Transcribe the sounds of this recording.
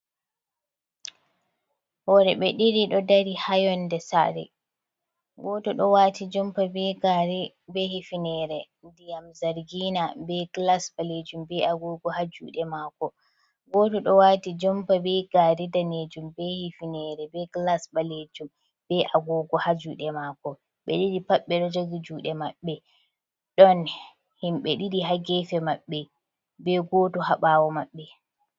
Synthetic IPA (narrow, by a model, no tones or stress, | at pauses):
wɔɾɛɓɛɗiɾiɗɔdaɾihajɔndɛsa̰ɾɛ̰ | ɡɔtɔɗɔwatʰid͡ʒɔmpabɛɡaɾ | bɛhifinɛɾɛ | dijamzaɾɡinabɛɡlasbaled͡ʒumbɛʔaɡɔɡɔhad͡ʒṵːɗɛmakɔ | ɡɔtɔɗɔwaːtid͡ʒɔmpabɛɡaɾɛdaned͡ʒumbɛhifinɛːɾɛbɛklasɓaled͡ʒum | bɛʔaɡɔɡɔhad͡ʒuːɗɛmakɔ | ɓɛ̰ɗiɗipaɓːɛɗɔd͡ʒoɡid͡ʒuːɗɛmaɓːɛ | ɗɔn | himɓɛɗiɗiɦaɡɛfɛmaɓːɛ | bɛɡɔːtɔɦaɓawɔmaɓːɛ